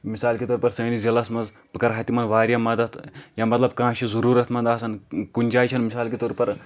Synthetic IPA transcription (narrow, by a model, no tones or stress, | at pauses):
misaːlkʲit̪oːɾpɐɾsɐ̃ːnizilɐsmɐnz | pɨkɐɾɦɐt̪imɐnʋaːɾʲjamɐd̪ɐt̪ʰjɐmɐt̪lɐb̚kãːʃʰizɐɾuːɾɐt̪ʰmɐnd̪aːsɐnkunʲd͡ʒaːjt͡ʃʰɐnmisaːlkit̪oːɾpɐɾ